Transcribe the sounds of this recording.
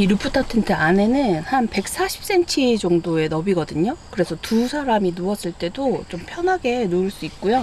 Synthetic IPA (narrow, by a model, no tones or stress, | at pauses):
iɾɯp͈ʰut͈ʰatʰɯntʰeane̞nɯnnhanpe̞k̚s͈aɕʰi̥p̚s͈e̞nt͡ɕʰid͡ʑʌŋdoe̞nʌbiɡʌdɯɲokɯɾe̞sʰʌtusʰaɾaminoʌs͈ɯɭt͈e̞dot͡ɕompʰjʌnɦaɡe̞noɯɭs͈uik̚k͈ujo